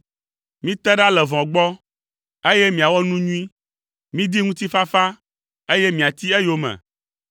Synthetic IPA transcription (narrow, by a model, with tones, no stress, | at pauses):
mĩ˦t̪ɛ˦ɖa˦lɛ˨vɔ̃˨ɡ͡bɔ˦ | e˦jɛ˦mĩ˨a˨wɔ˦nũ˦ɲũ˦ĩ˦ | mĩ˦d̪i˦ŋũ˦t̪i˦fa˦fa˦ | e˦je˦mĩ˨a˨t̪i˦ɛ˦jo˦mɛ̰̃˨